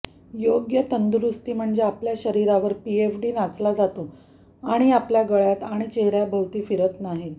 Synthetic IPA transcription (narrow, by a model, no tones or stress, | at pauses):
joɡjət̪ənd̪ɾust̪iːm̤əɳd͡zeapljaɕəɾiɾaʋəɾpiefɖiːnat͡slad͡zat̪o | aɽ̃iapljaɡəɭjat̪aɽ̃it͡ɕeɦɾjabʱəwt̪iːfiɾət̪naɦi